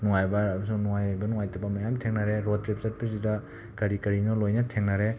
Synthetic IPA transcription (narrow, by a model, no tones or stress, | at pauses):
nuŋajbaːbɐsunuŋajbɐnuŋajtabamajamtʰeŋnaɾeɾɔdɾep̚saɾpizida | kɐɾikɐɾinɔlojnatʰeŋnaɾe